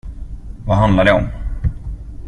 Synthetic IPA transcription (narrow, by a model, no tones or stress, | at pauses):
vaɦand̪laɖɛɔm